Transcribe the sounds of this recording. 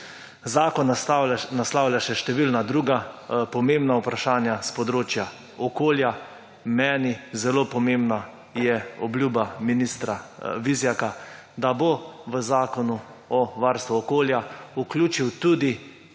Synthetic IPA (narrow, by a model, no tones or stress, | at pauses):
zaːkɔnnaslaːwljaʃɛʃt̪ɛʋilnad̪ɾuːɡapɔmembnaupɾaʃaːnjaspɔd̪ɾoːt͡ʃja | ɔkoːlja | mɛːnizɛloːpɔmẽmbna | jɛɔblʲjuːbaminist̪ɾaʋizjaka | d̪aboʋəzaːkɔnuɔʋaːɾst̪ʋuɔkoːljauklʲuːt͡ʃiwt̪uːd̪i